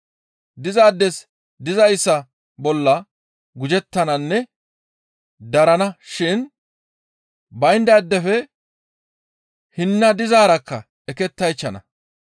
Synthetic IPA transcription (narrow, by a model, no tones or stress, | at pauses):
d̪ɪzaːd̪ːɛs | d̪ɪzɐjsːɐ | bɔlːɐ | ɡʊd͡ʒɛt̪ːɐnɐnːɛ | d̪ɐɾɐnɐʃɪn | bɐjnd̪ɐd̪ːɛfɛ | hɪnːɐd̪ɪzaːɾɐkːɐ | ɛkɛt̪ːɐjt͡ʃːɐnɐ̰